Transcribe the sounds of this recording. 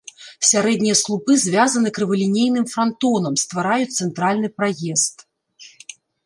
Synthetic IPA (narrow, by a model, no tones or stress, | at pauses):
sʲaɾɛd̪ʲnʲijɐslˠupɨzʲvʲazɐnɨɛkɾɨvɐlʲinʲejnɨmfɾant̪ɔnɐmst̪vaɾajut̪sɛnt̪ɾalʲnɨpɾajɛst̪